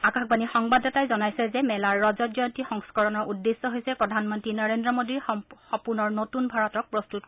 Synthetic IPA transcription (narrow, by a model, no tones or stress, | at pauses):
akaxbanixɔŋbadɔtajzɔnajsɛzɛmɛlaɹːɔzɔtjɔjntixɔŋskɔɹɔnɔɹudːesːɔɦojsɛpɹɔdʱanmɔntɹinɔɹendɹɔmodiɹxɔpunɔɹnotunbʱaɹɔtɔk̚pɹɔstut̚